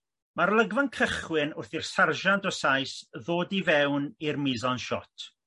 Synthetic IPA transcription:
maɾlˠəɡvankʰəχwɪnʊrθirsarʒantɔsajsðoːdivɛwnirmɪzɔnʃɔ̰tʰ

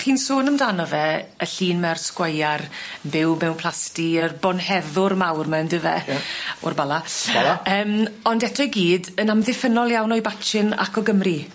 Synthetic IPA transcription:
χiːnsoːnəmdanɔvɛəɬiːnmɛrskwajarbɪwmɛwnpʰl̥ˠastiərbɔnhɛðʊrmawrmandəvɛ̰ɔ̰rbalˠaaləːmɔndɛtʰɔjɡiːdənamðɪfənɔlˠjawnɔjbat͡ʃɪna̰kʰɔɡəmri

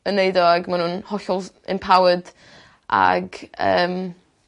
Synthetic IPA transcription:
əneɨdɔaɡmanunhɔɬɔlˠ | ɪ̰npʰawəd | ʔa̰ɡə̰ːm

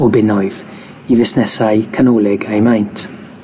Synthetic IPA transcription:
ɔbɪnɔɨð | ivɪsnɛsaɨkʰanɔlˠɪɡajmajntʰ

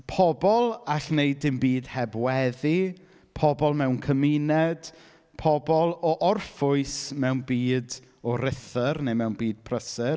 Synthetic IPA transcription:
pʰɔbɔlˠaɬneɨdɪmbiːd̥hɛbwɛði | pʰɔbɔlˠmɛwnkʰəminɛd̥ | pʰɔbɔlˠɔʔɔrfʊɨsmɛwnbiːd | ɔɾɪθərnejmɛwnbiːd̥̚pʰrəsə

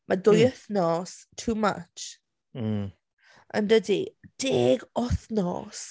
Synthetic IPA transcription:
mʔadʊjəθnɔstʰuːma̰t͡ʃ̩ | ʔə̰̃ndədid̥ɪɡɔθnɔ̰s

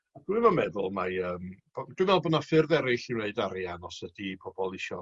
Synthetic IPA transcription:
ad̥wɪvɔmɛðʊlˠmaəːmb̥ɔd̥wɨvɛlˠbɔnafɨrðɛɾɪɬiwneɨdaɾianɔsədipʰɔbɔlˠɪʃɔ

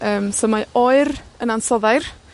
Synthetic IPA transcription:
əːmsɔmaɔɨɾənansɔðajr

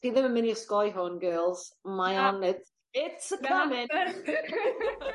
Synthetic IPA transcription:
pʰiðɛməmɪniəskɔjɦɔnɡɜːlˠz̥majanɛd | ɪtsəkʰamɪn

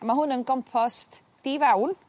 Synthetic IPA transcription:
amaɦʊnənɡɔmpʰɔstd̥ivawn

